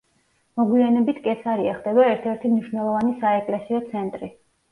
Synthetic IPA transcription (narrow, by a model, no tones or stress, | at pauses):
mɔɡwianɛbit̪ʰkʼɛsaɾiaχd̪ɛbaɛɾt̪ʰɛɾt̪ʰimniʃnɛlˠɔvanisaɛkʼlɛsiɔt̪sʰɛnt̪ʼɾi